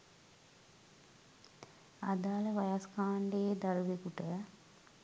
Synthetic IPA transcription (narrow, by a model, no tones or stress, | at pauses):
ad̪aːləʋajaskaːɳɖeːd̪aɾʋekuʈə